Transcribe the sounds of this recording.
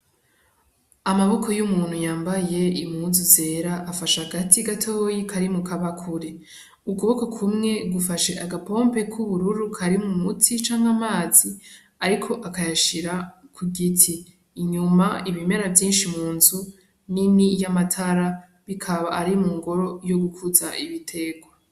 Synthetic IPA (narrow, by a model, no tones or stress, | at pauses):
amaβo̞kʰo̞jumuːnhujaːmbaje̞imhuzuze̞ɾaʔːfaʃahaɡatʰiɡatʰo̞ːjikʰaɾimukʰaβakʰuɾe | ukuβo̞kokʰumŋe̞ɡufaʃeʔaɡapo̞ːmpe̞kʰuβuɾuɾukʰaɾimŋumutʰit͡ʃaːŋɡamaːzi | aɾikʰo̞ʔakajaʃiɾakʰuɡitʰiː | ɲumaiβime̞ɾavjiːnʃimuːnzu | ninijamatʰaɾa | βikʰaβaʔːɾimuːŋɡo̞ɾo̞jo̞ɡukʰuzaiβitʰe̞ɡwa